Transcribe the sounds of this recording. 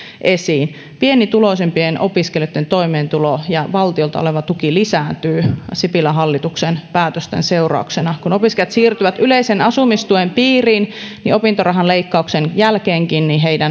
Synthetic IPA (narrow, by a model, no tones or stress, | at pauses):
ʔesiːn | pienit̪uloisempienʔopiskeljot̪ːent̪oimeːnt̪ulojɑʋɑlt̪iolt̪ɑoleʋɑt̪ukilisæːnt̪yːsipilæɦɑlːit̪uksenpæːt̪øst̪ḛnseurɑ̰uksenɑkunopiskeljɑt̪siːrt̪yʋæt̪ʔyleisenɑsumist̪uempiːriːnniopint̪orɑɦɑnleikːɑuksenjælkeːŋkinniɦeidæn